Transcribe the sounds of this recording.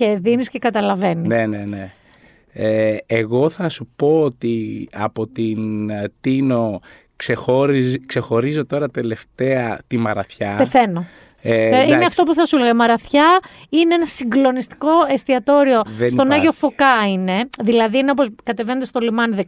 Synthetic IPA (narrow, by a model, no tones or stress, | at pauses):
eðinisce̞kɐt̪ɐlɐve̞nienene | eeɣo̞θɐsupo̞ot̪iɐ̰po̞t̪int̪ino̞ | ksexoɾkse̞xo̞ɾizo̞t̪o̞ɾɐt̪e̞le̞ft̪eɐt̪imɐɾɐ̰θçɐpeθe̞no̞ | eineɐft̪o̞puθɐsuleɣɐimɐɾɐθçɐ | ineenɐsiŋɡlo̞nist̪i̥ko̞e̞st̪iɐt̪o̞ɾio̞ðest̪o̞nɐʝo̞fo̞kɐine̞ðilɐðieneoposkɐt̪e̞venet̪est̪o̞limɐnðe